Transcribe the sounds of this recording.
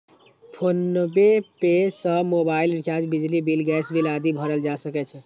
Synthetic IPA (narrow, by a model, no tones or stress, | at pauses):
pʰonːbepesəmobailɾt͡ʃad͡ʒbid͡ʒlibilɡɛsbʱilad̪ibʱəɾəld͡ʒasəkɛt͡ʃʰɛ